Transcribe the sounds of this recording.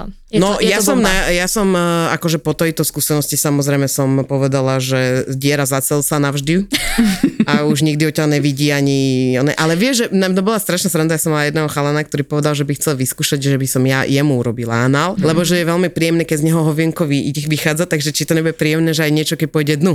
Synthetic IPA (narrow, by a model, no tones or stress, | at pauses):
nɔjasɔmnajasɔmakɔʒɛpɔt̪ɛjt̪ɔskusɛnɔscisamɔzɾɛjmɛsɔmpɔʋɛd̪alaʒɛzɟɪɛɾazat͡sɛlsanaʒd̪i | auʒɲiɡd̪iɔcɛaɲɛʋiɟiːaɲiɔnɛ̰ʔalɛʋɪɛʒɛnat̪ɔbɔlast̪ɾaʃnast̪ɾand̪ajasɔmalajɛd̪nɛːɦɔxalanak̚t̪ɔɾipɔʋɛd̪alʒɛbixt͡sɛlʋiskuːʃaɟʒɛbisɔmjajɛmuuɾɔbila̰anaːllɛbɔʒɛjɛʋɛlmipɾijɛmnɛkɛɟzɲɛɦɔɦɔʋɛŋkɔʋiɛʋixaːd͡zat̪aɡʒɛt͡ʃit̪ɔɲɛbuɟɛpɾijɛmnɛːʒɛajɲɪɛt͡ʃɔkɛc̚pɔjɟɛd̪nu